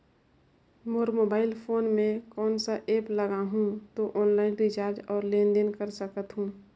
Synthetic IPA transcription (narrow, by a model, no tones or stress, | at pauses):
moːɾmoːbaːɪlpʰoːnmẽkɔːnsaʔeːpləɡaɦũt̪oʔɔːnlaːɪnɾɪt͡ʃaːɾd͡ʒɔːɾlẽːnd̪ɪnkəɾsəkət̪ɦũː